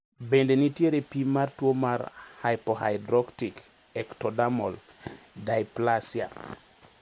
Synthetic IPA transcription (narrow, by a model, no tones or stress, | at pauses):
bendenitjeɾepimartwomarhajpɔha̰jdɾɔktik | ɛktɔdamɔl | dajplasja